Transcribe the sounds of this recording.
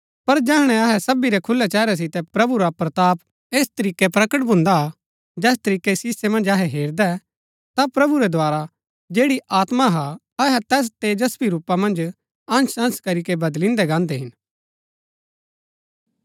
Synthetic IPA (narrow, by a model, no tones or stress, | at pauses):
pɐɾd͡ʒɛːɦɽ̃ɛ̃ɐɦɛsɐbiɾɛkʰʊlːɛt͡ʃɛːɾɛs̬ɪt̪ɛpɾɐbuɾapɾɐt̪aːp | eːst̪ɐɾiːkɛpɾɐkəʈbʱʊ̃nd̪a | d͡ʒɛːst̪ɐɾiːkesɪsːemɐ̃nd͡ʒɐɦɛɦeːɾd̪ɛ | t̪apɾɐbuɾɛd̪ʱoaːɾa | d͡ʒeːɽiʔaːt̪maɦa | ɐɦɛt̪ɛːs̬t̪eːd͡ʒɐspiɾuːpːamɐ̃nd͡ʒ | ɐ̃nsɐ̃nskɐɾikebɐd̪lɪ̃nd̪ɛɡãːnd̪ɛɦɪn